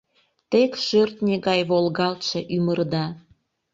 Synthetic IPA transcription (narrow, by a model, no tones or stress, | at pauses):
t̪ekʃørt̪nʲeɣɑjβolɣɑlt̪ʃĕʔymərd̪ɑ